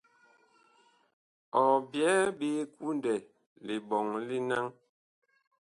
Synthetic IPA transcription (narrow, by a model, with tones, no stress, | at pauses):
ɔ˨bjɛ˨˦ɓeː˦ku˦ndɛ˨ | le˨ɓɔ˨ŋli˦na˦ŋ